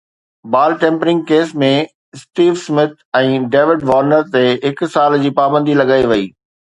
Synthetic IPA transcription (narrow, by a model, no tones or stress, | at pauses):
baːlʈẽːmpɾɪ̃ŋɡkeːsmẽ | sʈiːʋsmɪt̪̚ʰɛ̃ːɖeːʋɪɖʋɔːɾnəɾt̪eɦɪksaːld͡ʑiːpaːbə̃nd̪ʱilɐɡaːiʋɐiː